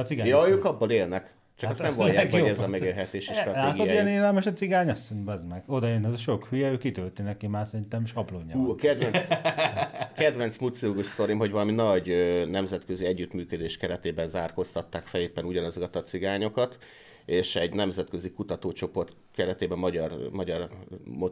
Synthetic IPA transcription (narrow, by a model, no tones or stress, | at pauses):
siɡaːjɒːøːkɒbːɒleːlnɛk | t͡ʃɒkɛst̪ɛmvɒjjaːoɛzɒmɛɡeːlɦɛt̪eːʃiʃt̪rɒlaːtɡiodaijɛneːlɛlmɛʃɒt̪t͡siɡaːɲɒsoɲbɛzmɛɡ̥o̞d̪ɒenɛzɒʃo̞khyjɛøːkːit̪ølt̪inɛkimaːrsɛɾint̪ɛmʃɒbloːɲːkɛd̪vɛn | kɛd̪ʋɛnt̪smut̪sioɡost̪o̞ɾimɦo̞ɟvɒlɒminɒɟønɛmzɛt̪kø̞ziɛɟːyt̪myːkød̪eːʃkɛɾɛt̪eːbɛnzaːrko̞st̪ɒt̪ːaːkfɛleːpːɛnuɟɒnɒzo̞kɒt̪ɒt̪siɡaːɲokɒt̪ | eːʃɛɟnɛmzɛt̪kø̞zikut̪ɒt̪oːt͡ʃo̞po̞rt̪ | kɛɾɛt̪eːbɛmːɒɟɒrmɒɟɒrmo